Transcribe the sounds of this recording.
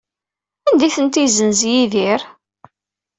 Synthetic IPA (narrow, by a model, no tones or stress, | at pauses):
ænd̪iθənt̪izənzjiðiɾ